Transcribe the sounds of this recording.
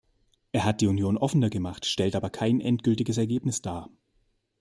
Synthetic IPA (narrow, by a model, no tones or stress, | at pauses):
ʔeːɐɦat̚d̥iːunjoːnʔɔfənɐɡəmaχtʃtɛltʔaːbɐkʰaɪnʔɛntɡ̥ʏltɪɡəsɛɐɡeːpnɪsd̥aː